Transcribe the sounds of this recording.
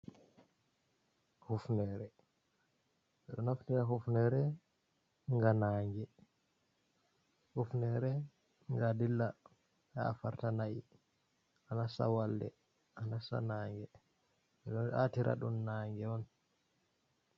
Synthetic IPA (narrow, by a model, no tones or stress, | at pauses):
hufnɛɾɛ | ɛɗɔnaftiɾaɦufnɛɾɛ | ŋɡanaŋɡɛ | hufnɛɾɛ | ŋɡadilːa | ha̰ːfaɾtanaʔi | anasa̰waldɛ̰ | ʔanasa̰naːŋɡɛ | ɛɗɔnʔa̰tiɾʔa̰ɗunːaŋɡɛɔn